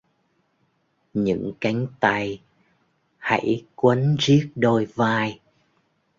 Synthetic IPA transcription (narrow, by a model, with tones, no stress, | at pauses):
ɲɨ̰˧˥ŋka˨˦jŋ̟t̪a˧j | ha̰˧˥jkwə˨˦nzi˦˥ək̚ɗo˧jvaː˧j